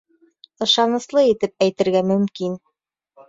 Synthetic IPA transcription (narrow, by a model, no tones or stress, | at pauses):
ɤ̆ʃɑnɤ̆slˠɤit̪ɘp̚æjt̪ɘ̆ɾɡæmɵ̆mkin